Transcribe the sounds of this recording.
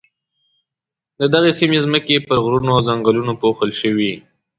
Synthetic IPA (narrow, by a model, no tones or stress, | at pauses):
d̪əd̪aɣesimezməkepəɾɣɾunoawzaŋɡəlunopoxəlʃəwi